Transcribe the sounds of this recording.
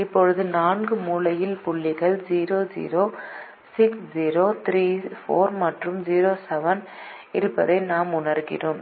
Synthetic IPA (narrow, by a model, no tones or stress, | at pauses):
ɪpːɔɻɯðɯnaːnɡɯmuːlɐjɪlpʊɭːɪɣɐɭd͡ʒiːɾoːd͡ʒḭːɾoː | sɪksd͡ʒiːɾoːt̪ɾiːfoːɾmɐʈrɯmd͡ʒiːɾoːsɛʋɐn | ɪɾɯpːɐðɐɪnaːmʊɳɐɾɣɪ̰roːm